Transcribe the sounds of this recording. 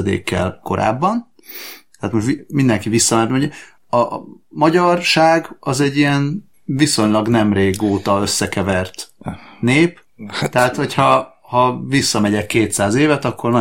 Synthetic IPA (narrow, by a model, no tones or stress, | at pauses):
d̪ḛːkːɛ̰lko̞ɾa̰ːbːɒn | t̪ɛːt̪mo̞ʃtimind̪ɛŋkivisːɒmɛnt̪moɲɛ | ɒmɒɟɒrʃaːɡɒzɛɟːijɛn | viso̞ɲlɒɡnɛmreːɡoːt̪ɒø̞sːɛkɛvɛrt̪neːp | t̪ɛɦaːt̪ho̞cʰhɒ | hɒvisːɒmɛɟɛkːeːt̪saːzeːvɛt̪ɒkʰːo̞rnɒ